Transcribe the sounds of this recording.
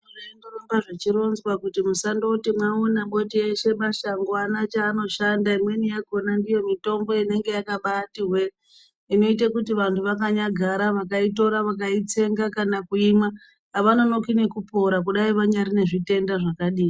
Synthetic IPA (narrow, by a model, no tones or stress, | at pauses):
orendorombaʐet͡ʃiɾo̞nzwakutimusando̞timwaunaɓo̞tieʃe̞maʃaŋɡoanat͡ʃaːno̞ʃandaimwe̞nijaɡʱonandijo̞mito̞mbo̞ine̞ŋɡe̞jakaɓatiɦwe̞ | ino̞itakutiʋantʰuʋakaɲaɡʱaɾaʋakaito̞ɾaʋak̬ait͡se̞ŋɡakanakuimwaː | ʋano̞no̞kine̞kupo̞ɾak̬uɗaiʋaɲaɾine̞ʐite̞ndaʐakaɗiːi